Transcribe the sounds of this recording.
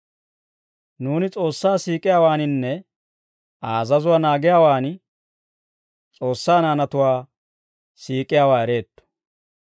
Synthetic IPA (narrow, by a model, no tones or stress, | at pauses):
nuːnɪt͡sʼo̞ːsːaːsiːkʼɪjaːwaːnɪnːɛ | aːzɐzʊwaːnaːɡɪjaːwaːnɪ | t͡sʼo̞ːsːaːnaːnɐt̪ʊwaː | siːkʼːɪjaːwaːɛɾe̞ːt̪ːɔ̥